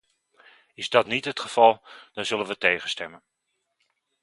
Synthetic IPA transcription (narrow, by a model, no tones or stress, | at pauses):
ɪzdɔtnitətχəv̥ɑlˠd̥ɔnzɵlənʋəteːχənstɛmən